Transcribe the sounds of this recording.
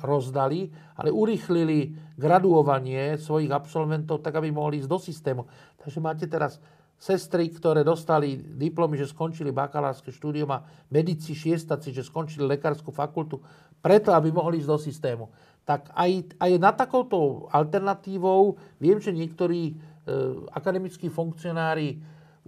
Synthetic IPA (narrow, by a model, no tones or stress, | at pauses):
ɾɔzd̪ali | a̰lɛʔuɾiːxliliɡɾad̪uɔʋaɲɪɛsʋɔjiɣapsɔlʋɛnt̪ɔʊt̪aɡabimɔɦliiːzd̪ɔsist̪ɛːmu | t̪aɡʒɛmaːcɛt̪ɛɾasː | ɛst̪ɾikt̪ɔɾɛːd̪ɔst̪alid̪iplɔmiʒɛskɔnt͡ʃiliba̰kala̰ːɾskɛʃt̪uːd̪iuma | mɛd̪it͡siʃɪɛst̪at͡siʒɛskɔnt͡ʃililɛkaːɾskufakult̪u | pɾɛt̪ɔabimɔɦliiːzd̪ɔsist̪ɛːmu | t̪akajajnat̪ːakɔʊt̪ɔalt̪ɛɾnat̪iːʋɔʊʋɪɛmʒɛɲɪɛkt̪ɔɾiː | a̰kad̪ɛmit͡skiːfuŋkt͡siɔnaːɾi